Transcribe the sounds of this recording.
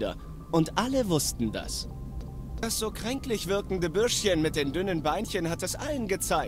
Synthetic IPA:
dɐ̰ | ʔʊntʔaləvʊstn̩da̰s | d̥asz̥oːkʁ̥ɛŋklɪçv̥ɪɐkŋ̩dəbʏɐʃçənmɪt̚d̥eːmdʏnənbaɪnçənhatdɛsʔalənɡət͡saɪ

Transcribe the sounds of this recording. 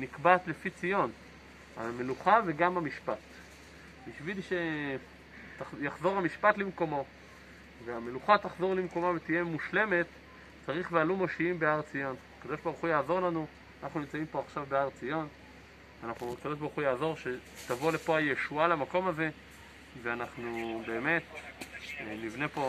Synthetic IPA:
nikbat̪lefit͡sijo̞n | a̰me̞luχave̞ɡamamiʃpat | biʃvilʃe | tajaχzo̞ʁhamiʃpat̪limko̞mo̞ | veameluχat̪aχzo̞ʁlimko̞mavet̪ije̞muʃle̞me̞t̪ | t͡saʁiχlealumoʃiimbeaʁt͡sijo̞nakad̪o̞ʃbaʁuχujaːzo̞ʁlanu | anaχnunimt͡saimpo̞aχʃavbe̞aʁt͡sijo̞n | veanaχnukad̪o̞ʃbaʁuχujaːzo̞ʁʃe̞tavole̞po̞ajeʃualamako̞maze̞ | veanaχnube̞ːme̞t̪ | nivne̞po̞

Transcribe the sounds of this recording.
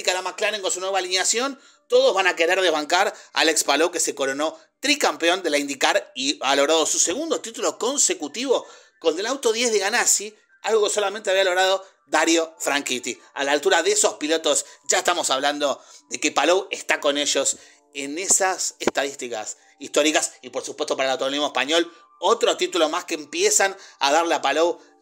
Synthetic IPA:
kalamaklaneŋkonsunwe̞βalinjasjo̞n | t̪o̞ðozβanake̞ɾeɾðeβaŋkaɾa̰lekspalowke̞se̞ko̞ɾo̞no̞ | t̪ɾikampeo̞nd̪elaind̪ikaɾialoɣɾaðo̞suse̞ɣund̪o̞t̪it̪uloko̞nse̞kut̪iβo̞ | kond̪elawt̪o̞ðjezðeɣanasi | alɣo̞so̞lamẽnt̪eaβialo̞ɣɾað̞o̞ | d̪aɾjo̞fɾaŋkit̪i | a̰laːlt̪uɾaðeeso̞hspilo̞t̪o̞sʒaest̪amo̞saβland̪o̞ðe̞kepalowest̪ako̞neʒo̞s | enesasest̪að̞ist̪ika̰s | ist̪o̞ɾikasipoɾsupwest̪opaɾaelawt̪oolizmoehpaɲo̞l | ot̪ɾot̪it̪ulo̞maskeːmpjesana̰ðaɾleapalow

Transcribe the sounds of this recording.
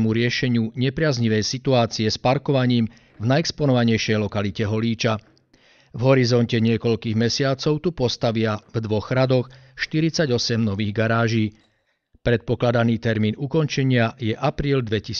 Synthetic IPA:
muɾɪɛʃɛɲɪuɲɛpɾɪazɲiʋɛjsit̪uaːt͡siɛspaɾkɔʋaɲiːm | vnajɛkspɔnɔʋaɲɛjʃɛjlɔkalicɛɦɔliːt͡ʃa | vɦɔɾizɔncɛɲɪɛkɔʎkiːɣmɛsɪat͡sɔʊt̪upɔst̪aʋɪavd̪ʋɔɣɾad̪ɔxʃt̪iɾit͡saɟɔsɛmnɔʋiːɣɡaɾaːʒiː | pɾɛt̪̚pɔklad̪aniːt̪ɛɾmiːnukɔnt͡ʃɛɲɪajɛʔapɾiːld̪ʋɛcis

